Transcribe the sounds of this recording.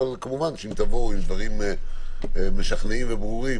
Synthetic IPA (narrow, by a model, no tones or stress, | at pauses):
alkamuvanʃeimt̪avo̞uimd̪vaʁim | meʃaχneimvebʁuʁi